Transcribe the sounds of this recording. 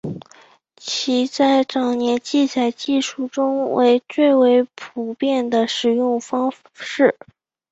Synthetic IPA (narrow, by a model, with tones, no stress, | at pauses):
t͡ɕʰi˧˥t͡sa˥˩ɪʈ͡ʂɑ˨˩ŋnjɛ˧˥nt͡ɕi˥˩t͡sa˨˩ɪt͡ɕi˥˧ʂu˥˩ʈ͡ʂʊ˥ŋwḛ˧˥ɪt͡swe˥˩ɪwe˧˥ɪpʰu˨˩pjɛ˥˩nd̪ə˨ʂɻ̩˨˩jʊ˥˩ŋfɑ˥ŋ | ʂɻ̩˥˩